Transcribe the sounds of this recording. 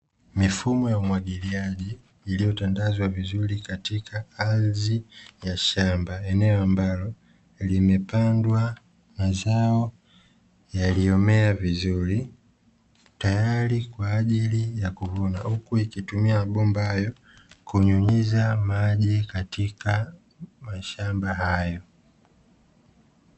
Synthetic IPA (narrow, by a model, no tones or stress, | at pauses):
mifumɔjaumwaɠiliaʄiː | lijɔtandazwavizuɾikatikaazijaʃambaɛnɛɔambalɔ | limɛpandwa | mazaɔ | jaliɔmɛavizuɾi | tajalikwaːʄilijakuvɔnahukuikitumiaaɓɔmbahajɔ | kuɲuɲizamaʄɛkatika | maʃambahajɔ